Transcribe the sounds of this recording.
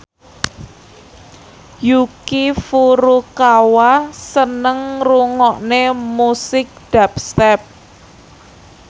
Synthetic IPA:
jukifuɾukawasənəŋruŋɔʔnemusɪk̚d̥apst̪ɛp̚

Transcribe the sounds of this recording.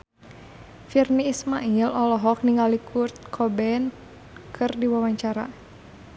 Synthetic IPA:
firniːsmaʔilɔlɔɦɔk̚niŋɡalikʰurt̪̚kʰɔbɛn | kʰɨrdiwawaɲt͡ʃaɾa̰

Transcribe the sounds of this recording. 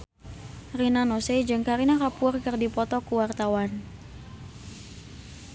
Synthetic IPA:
rinanosed͡ʒɨŋkaɾinakapurkɨrdipɔt̪ɔkuwart̪awan

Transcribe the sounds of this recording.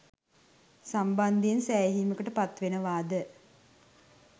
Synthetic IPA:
samband̪ijensæːɦiːməkəʈəpat̪ʋenəʋaːd̪ə

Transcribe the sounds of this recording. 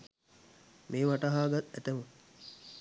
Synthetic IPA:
meːʋaʈaɦaːɡat̪æt̪əmə

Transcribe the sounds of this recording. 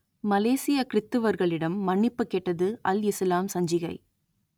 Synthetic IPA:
mɐleːsɪjɐkɪɾɪt̪ːɯʋɐɾɣɐɭɪɽɐmːɐɳːɪpːɯkːeːʈːɐðɯɐlɪslaːmsɐɲd͡ʒɪɣɐɪ

